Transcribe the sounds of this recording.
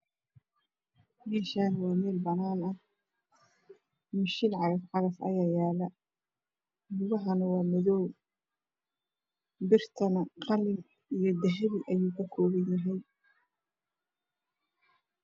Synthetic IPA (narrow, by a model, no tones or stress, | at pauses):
mɛːʃaːnwɑːmɛːlbɐnaːnɐ | mɪʃɪnʕɑɣɐfʕɑɾɐfɐ̰jaːjaːlɐ | mʊɣɐɦɐnɐwɑːmɪðɔw | bɪrt̪ʰɐnɐqɑlɪn | ʔijɞd̪ɐɦɐβiʔɐjuːkʰɐkʰɔːβɛnjɐɦɛj